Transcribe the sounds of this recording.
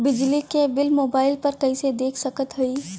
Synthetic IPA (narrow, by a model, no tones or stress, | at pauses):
bɪd͡ʒlikebɪlmoːbaːɪlpɐɾkɐised̪eːkʰsɐkət̪ɦʊiː